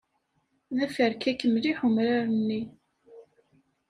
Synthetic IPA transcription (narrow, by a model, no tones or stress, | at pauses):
ðæfəɾkækːəmliħʊmɾaɾənːi